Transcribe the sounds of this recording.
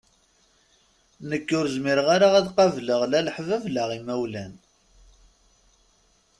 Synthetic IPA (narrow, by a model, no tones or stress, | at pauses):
nəkːʊɾzmiɾəʁaɾaæðqɑvləʁlæləħvævləʁimæwlæn